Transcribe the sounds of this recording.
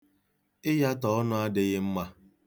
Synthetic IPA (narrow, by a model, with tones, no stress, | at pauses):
ɪ˦ja˦tɔ˨ɔ˦nʊ˦a˦dɪ˦ɣɪ˦m̩˦ma˦